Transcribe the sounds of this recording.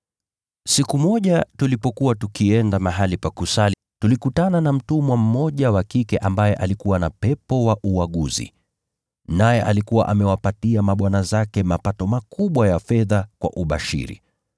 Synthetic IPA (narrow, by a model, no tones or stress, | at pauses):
sikumɔʄatulipɔkuwatukiɛndamaɦalipakusali | tulikutananam̩tumwam̩mɔʄawakikɛʔambajɛʔalikuwanapɛpɔwaʔuwaɠuzḭ | najɛʔalikuwa̰ʔamɛwapatiamaɓwanazakɛmapatɔmakuɓwajafɛðakwa̰ʔuɓa̰ʃḭɾḭ